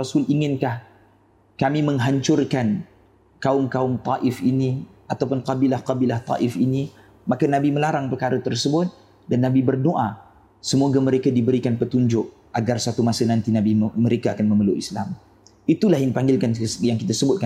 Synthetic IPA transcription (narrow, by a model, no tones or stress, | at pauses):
asʊliŋɪnkah | kamimə̃ŋɦaɲt͡ʃʊrkan | kaʊmkaʊmt̪ɑʔɪfiniʔat̪awpʊnqɑbilahqɑbilaht̪ˤɑ̰ʔɪfini | makanabiməlaɾaŋpəkaɾət̪ərsəbʊt̪̚ | danːabibərdoʔa | səmoɡaməɾekadibəɾikanpət̪uɲd͡ʒʊk̚ | ʔaɡarsat̪umasənãnt̪inabiməɾekaakanməməlʊʔisla̰m | it̪ulahjaŋipaŋɡɪlkanjaŋkit̪asəbʊt̪̚ka